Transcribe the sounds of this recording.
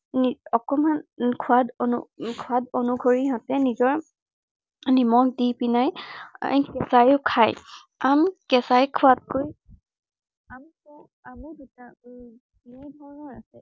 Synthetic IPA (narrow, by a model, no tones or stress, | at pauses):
niɔkɔmankʰuadonṵkʰuadonuɡʱoɹiɦãtɛnizɔɹ | nimɔk̚dipinaj̰ | kɛsajʊkʰaj | amkɛsajkʰʊat̚koj | amisɔ | amɔdita | idʱɔɹnɔasɛ